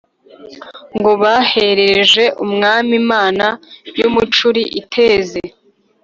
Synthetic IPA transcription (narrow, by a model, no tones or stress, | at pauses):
ŋɡo̞βaːhe̞ɾeʒe̞ʔumŋaːmimaːnajumut͡ʃuɾiʔitʰe̞ːze